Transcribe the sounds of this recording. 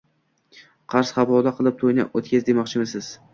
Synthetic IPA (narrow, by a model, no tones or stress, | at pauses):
qʰɑɾsχɑbɒlaqʰɨlˠɪp̚t̪ʰojna̰ot̪kʲazd̪emɒqt͡ʃʰɪmɪsɪz̥